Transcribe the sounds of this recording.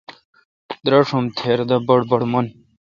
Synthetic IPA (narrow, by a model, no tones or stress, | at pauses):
d̪ɾɐʂɐmt̪ʰeːɾd̪ɐbɐɽbɐɽmɐn